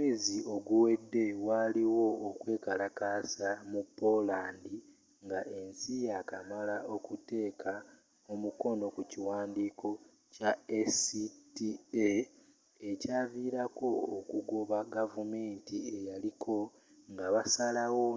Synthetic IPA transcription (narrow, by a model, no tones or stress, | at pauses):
meːzio̞ɡuwe̞dːe̞waliwo̞ːkwe̞ːkalakasamupːo̞laːndi | ŋɡaʔe̞nsijakamalaʔo̞kute̞ːkʰa | o̞muko̞no̞kuciwaːndiːkʰo̞ | caesitie | ecaːviːɾako̞ːkuɡoβaɡavume̞ːntie̞jalikʰo̞ | ŋɡaβasalawo